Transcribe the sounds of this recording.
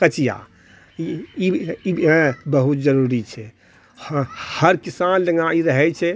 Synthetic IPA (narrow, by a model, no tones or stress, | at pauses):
kət͡ʃija̰ | iiibəɦut̪d͡ʒəɾuɾit͡ʃʰɛ | həɾkisand͡ʒəŋãiɾəɦɛt͡ʃʰɛ